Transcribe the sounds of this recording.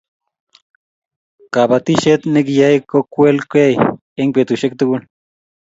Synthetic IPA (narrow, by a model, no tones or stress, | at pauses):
kabat̪iʃet̪nekjajkokʷelkʷej | eŋket̪uʃek̚t̪ukun